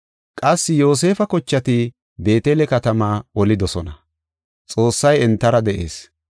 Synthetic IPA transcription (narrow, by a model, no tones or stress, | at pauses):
kʼɐsːɪjo̞ːs̬e̞ːfɐkɔt͡ʃːɐt̪ɪ | be̞ːt̪eːlɛkɐt̪ɐmaːɔlɪd̪ɔsɔnɐ | t͡sʼo̞ːsːɐjɛnt̪ːɐɾɐd̪ɛʔe̞̰ːs